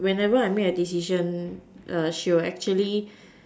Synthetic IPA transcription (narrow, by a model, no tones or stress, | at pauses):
wɛ̃nɛvəajmeədis̬iʃə̃nʔaʃiɛk̚t͡ʃuəli